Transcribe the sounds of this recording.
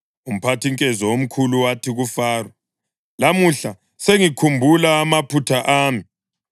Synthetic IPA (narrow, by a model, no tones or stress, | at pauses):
um̩pʰatʰiŋkʼɛzɔwom̩kʰuluwatʰiɣufaːrwɛ | lamuɬa | seŋikʰumbʱulaːmapʰutʰaʔaːmi